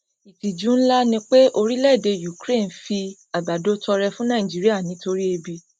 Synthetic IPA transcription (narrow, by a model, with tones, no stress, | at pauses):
i˨ti˨d͡ʒu˨˦n̩˦la˦nĩ˧k͡pe˦ʔo˧ɾi˦lɛ˦˨de˧ju˨kɾe˦˨n̩˨fi˧ | a˨ba˨do˨˦tɔ˧ɾɛ˧fũ˦nã˦˨ĩ˨d͡ʒi˨˦ɾi˦a˦˨nĩ˨˦to˧ɾi˦e˧bi˧